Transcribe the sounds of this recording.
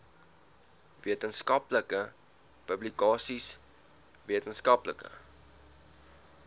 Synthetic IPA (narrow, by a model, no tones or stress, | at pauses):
viətənskɐpləkə | pəblikɑːsis | viətənskɐpləkə̰